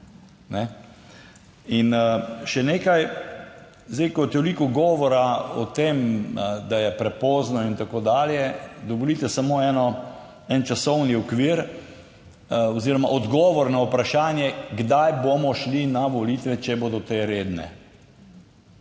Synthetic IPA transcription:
nɛ | inʃɛneːkaj | zd̪ejkɔt̪olikɔɡɔːʋɔɾaɔt̪eːmd̪ajɛpɾɛpɔːznɔint̪akoːd̪aːljɛd̪ɔbɔliːt̪ɛsamoɛnɔ | ɛnt͡ʃasɔwniɔkʋiːɾ | ɔziːɾɔmaʔɔd̪ɡɔːʋɔɾnaupɾaʃaːnjɛɡd̪ajbomɔʃlinaʋɔlit̪ʋɛt͡ʃɛbod̪ɔt̪eːɾeːd̪nɛ̰

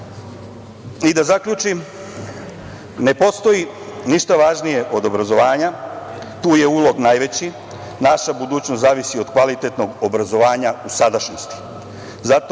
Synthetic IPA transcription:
id̪azakʎuːt͡ʃim | ne̞po̞st̪o̞ji | niʃt̪aʋaːʒnije̞ʔo̞d̪o̞bɾazo̞ʋaːɲa | t̪uːje̞ulo̞ɡnajʋe̞t͡ɕi | naʃabud̪uːt͡ɕnoszaːʋisio̞d̪kʋalit̪et̪no̞ɡobɾazo̞ʋaːɲausad̪aʃnost̪i̥ | zat̪o

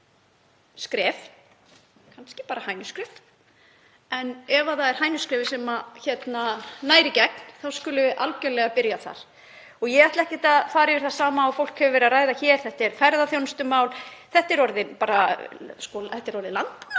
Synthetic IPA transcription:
skɾɛːf | kʰanscɪ̥paːɾahaːjnʏskɾɪf | ɛnɛvaθaðɛɾ̥ɦaːjnʏskɾɛːvɪsɛmaçɛt̪nanaːjɾɪcɛkn̥θawskʏːlʏʔa̰lcœlɛɣapɪɾjaθa̰ɾ̥ | ɔɣjɛɣaht̪laɛhcɪt̪aðfaːɾɪvɪɾ̥θḁsaːmaːwfowl̥khœvʏvɛɾaraːjðaçɛːɾ̥θɛht̪ɛɾ̥faɾðaθjownst̪ʏmaːwlθɛht̪ːɪɾɔɾðɪpaːɾaskɔθɛht̪ːɛɾɔɾðɪlant̪

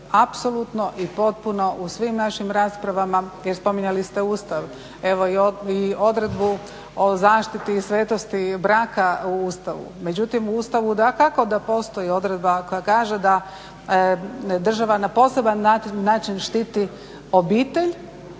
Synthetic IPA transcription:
apso̞lut̪no̞ʔipo̞t̪̚puno̞ʔusʋimnaʃimɾaːspɾaʋamajeɾspo̞miɲalist̪e̞uːst̪aʋ | e̞ʋoiio̞d̪ɾe̞d̪bu | o̞zaːʃt̪it̪iːsʋeːt̪o̞st̪ibɾaːkauuːst̪aʋṵme̞d͡ʑut̪imuuːst̪aʋud̪akako̞d̪apo̞ːst̪o̞io̞d̪ɾe̞d̪bako̞jakaːʒe̞d̪a | d̪r̩ʒaʋanapo̞se̞banːaːt͡ʃinʃt̪it̪i | o̞biːt̪e̞ʎ

